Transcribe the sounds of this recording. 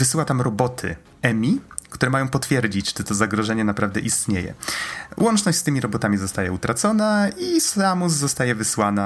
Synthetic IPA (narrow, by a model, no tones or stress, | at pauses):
vɘsɘwat̪amɾɔbɔt̪ʰɘ̰ | ɛmʲikt̪uɾɛmajɔ̃w̃pɔt̪fʲjɛɾd͡ʑit͡ɕt͡ʂɛt̪ɔzaɡɾɔʐɛɲɛnapɾavd̪ɛʔist̪ɲejɛ̰wʔɔnt͡ʂnɔɕt͡ɕʲst̪ɘmʲiɾɔbɔt̪amʲizɔst̪ajɛut̪ɾat̪sɔnaisamuz̬ːɔst̪ajɛvɘswana